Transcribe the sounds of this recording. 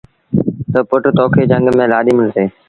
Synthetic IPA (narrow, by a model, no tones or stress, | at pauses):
t̪əpʊʈt̪oːkʰeːd͡ʒə̃ŋɡmẽːlaːɗ̪iːmɪlseː